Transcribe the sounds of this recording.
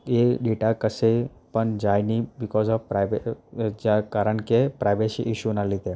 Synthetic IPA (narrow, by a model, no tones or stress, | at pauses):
jeɖeːʈakəsepəɳd͡ʒajnibɪkɔːzɔʋpɾaʋeakaːɾəɳkepɾajʋeʃiʔɪʃunalit̪e